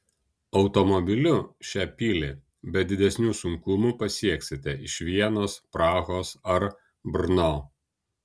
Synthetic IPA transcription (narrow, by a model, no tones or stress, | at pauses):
ɒʊt̪omɔbʲɪlʲʊʃʲæːpʲiːlʲɪ | bʲɛd̪ʲɪd̪ʲɛsʲnʲuːsʊŋkʊmupɐsʲiɛksʲɪt̪ʲɛʔɪʃʲʋʲiɛnoːspɾɑːɣoːsɐɾ | bɾnoː